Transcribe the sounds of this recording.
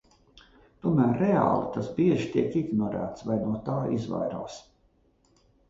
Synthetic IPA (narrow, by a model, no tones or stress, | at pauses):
t̪uɔmæːɾːea̰ːlˠit̪asbiɛʒit̪iɛkiɡnɔɾæ̰ːt̪svajnuɔt̪aːizva̰jɾa̰ːs